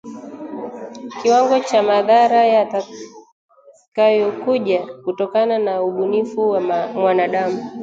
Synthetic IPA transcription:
kiwaŋɡɔt͡ʃamaðaɾajata | kajɔkuʄakutɔkananauɓunifuwamwanaɗamu

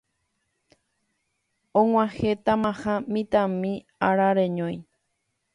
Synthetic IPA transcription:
õŋ̃ʷãhet̪amãhãmĩt̪amĩ | aɾaɾeɲõj̃

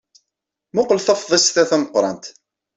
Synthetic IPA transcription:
mʊqlθɑfðˤəsθæθænəqːɾˤɑ̰nt̪

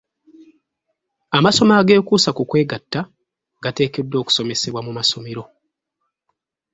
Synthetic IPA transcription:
amaso̞maːɡe̞ːkuːsakukwe̞ːɡatːa | ɡate̞ːkedːo̞ːku̥so̞me̞se̞βwamumaso̞meɾo̞

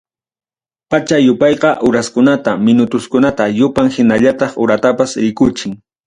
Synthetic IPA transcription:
pat͡ʃajʊpɑjqɑʔʊɾaskʊnat̪amɪnʊt̪ʊskʊnat̪ajʊpaŋhɪnaʎat̪ɑχʊɾat̪apasɾɪkʊt͡ʃɪŋ

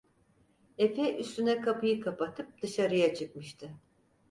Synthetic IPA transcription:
efɛʔyst̪ynɛkʰapɯjɯkʰapat̪ʰɯp̚d̪ɯʃaɾɯjat͡ʃʰɯk̚mɯʃt̪ʰɯ

